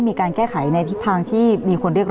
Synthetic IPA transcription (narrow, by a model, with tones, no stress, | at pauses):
jmiː˧kaː˧nkɛː˥˩kʰa˩˦jna˧t̪ʰi˦˥t̪ʰːaː˧ŋt̪ʰiː˥˩miː˧kʰo˧nɾi˥˩ək̚